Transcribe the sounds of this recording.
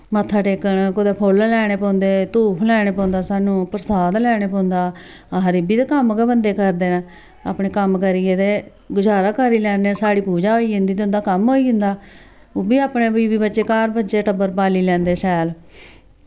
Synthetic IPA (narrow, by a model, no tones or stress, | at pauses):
mət̪ʰːaːʈeːkəɳkod̪eːpʰoːllɛːɽ̃eːpɔ̃ːnd̪eːt̪uːpʰlɛːɽ̃eːpɔ̃ːnd̪aːsaːnũːpəɾsaːd̪lɛːɽeːpɔ̃ːnd̪aːaɦəɾɪbiːd̪akəmɡɛːbənd̪eːkəɾd̪eːn | a̰ːpɳeːkəmkəɾiːeːd̪eː | ɡʊd͡ʒaːɾaːkəɾiːlɛːneːsaːɽiːpuːd͡ʒaːɦoːiːʊ̃nd̪iːt̪ːʊ̃nd̪aːkəmɦoːiːɦʊ̃nd̪aː | oːbiːaːpɳeːbiːbiːbətːʃeːkaːɾbətːʃeːʈəbəɾpaːliːlɛ̃ːnd̪eːʃɛːl